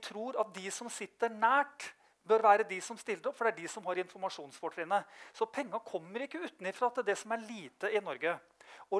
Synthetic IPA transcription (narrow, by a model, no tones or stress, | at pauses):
t̪ʰɾuːɾɑt̪̚d̪ɪsɔmsɪt̪ːəɳæːʈ | bœɾʋæːɾəd̪ɪsɔmst̪ɪlːəɾɔpfɔɖɛæɖɪsɔmhɑɾɪnfɔɾmɑʂuːnsfɔʈʰɾɛːənəsɔpʰɛŋːɑkʰɔmːəɾɪkːəʉːt̪n̩ɪfɾɑɑt̪̚d̪ɛd̪ɛsɔmæɭiːt̪əɪnɔɾɡə | ɔ